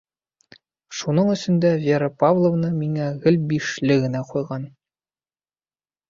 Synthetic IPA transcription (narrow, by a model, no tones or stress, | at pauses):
ʃunɤɴɵ̆sɵ̆nd̪ævʲeɾəpavlˠŏvnɤmiŋæɣɘlbiʃlɘɡɘ̆næqujʁɑn